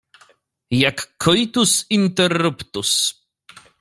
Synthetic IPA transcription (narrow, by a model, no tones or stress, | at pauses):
jakʰːɔjt̪usint̪ɛrːupt̪us